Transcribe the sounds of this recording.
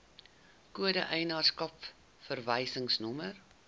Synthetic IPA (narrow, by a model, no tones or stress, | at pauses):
kuədəʔɛjnɑːrskɐp | fərvɛjsəŋsnɔmər